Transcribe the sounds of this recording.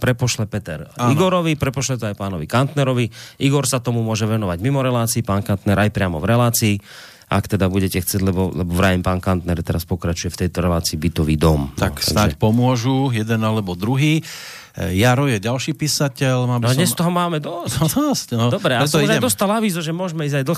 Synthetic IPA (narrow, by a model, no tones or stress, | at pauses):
pɾɛpɔʃlɛpɛt̪ɛ̰ɾaiɡɔɾɔʋipɾɛpɔʃlɛt̪ɔajpaːnɔʋikant̪nɛɾɔʋiiɡɔɾsat̪ɔmumʊɔʒɛʋɛnɔʋaɟmimɔɾɛlaːt͡siːpaːnkant̪nɛɾʔajpɾɪamɔ̰vɾɛlaːt͡siː | ʔa̰kt̪ɛd̪abuɟɛcɛxt͡sɛɟlɛbɔlɛbɔʋɾaɛmpaːnkant̪nɛɾt̪ɛɾaspɔkɾat͡ʃujɛft̪ɛjt̪ɔɾɛlaːt͡siːbit̪ɔʋḭːd̪ɔmt̪a̰tk̪saɡnaɛcpɔmʊɔʒujɛd̪ɛnalɛbɔd̪ɾuɦiː | jaɾɔjɛɟalʃiːpisacɛlmaːnɔd̪ɲɛst̪ɔɦɔmaːmɛd̪ɔsɔscnɔdɔbɾɛaɛsauʒɛd̪ɔst̪alaʋiːzɔʒɛmʊɔʒmɛiːzɟajd̪l̩x